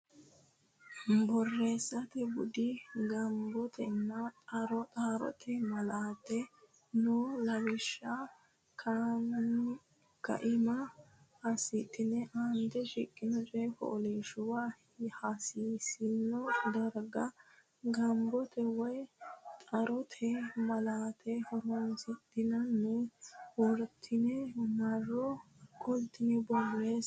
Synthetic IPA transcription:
bɔrːeːsːɐt̪ɛbʊd̪ɪɡɐmbɔt̪ʰɛnːɐt̪ʼɐɾɔt̪ʼaːɾɔ̰t̪ʰɛmɐlaːt̪ːɛ | nulɐwɪʃːa | kʰa | kɐ̰ʔɪmɐ | hɐsɪt̪ʼːɪnːɛʔand̪ɛʃɪkʼːɪnɔt͡ʃʼɛkɔ̰ʔɔleʃʊwa | hasiːsɪnːɔd̪ɐɾɡɐ | ɡɐmbɔt̪ɛwɔjt̪ʼɐɾʔɔt̪ʰɛmɐlaːt̪ʰɛhɔɾɔnzɪt̪ːɪnɐnːɛwɔɾt̪ʰːɪnɛmɐrːɔ | kʰʼɔlt̪ːɪnɛbɔlːeːs

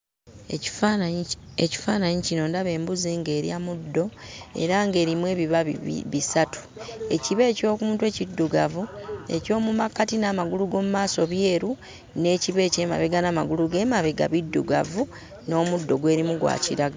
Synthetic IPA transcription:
eci̥faːnaɲicino̞ndaβe̞ːmbuziŋɡeːɾjamudːo̞e̞̰ɾaŋɡe̞ːɾimwe̞ːβiβa̰βisatʰu̥e̞ciβe̞ːco̞ːkumuːntwe̞cidːuɡavue̞̰co̞ːmumakːatinaːmaɡuluɡo̞ːmumaːso̞βje̞ːɾu | ne̞ciβe̞ːceːma̰βeɡanamaɡuluɡe̞ːmaβeɡa̰βidːuɡa̰vu | no̞ːmudːo̞ɡwe̞ːɾimuɡwa̰ːciɾaɡ

